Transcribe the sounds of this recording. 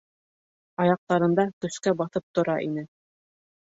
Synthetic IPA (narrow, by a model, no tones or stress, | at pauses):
ɑjɑq̚t̪ɑɾɤ̆nd̪ɑkɵ̆skæbɑθɤp̚t̪ŏɾɑʔin̪ɘ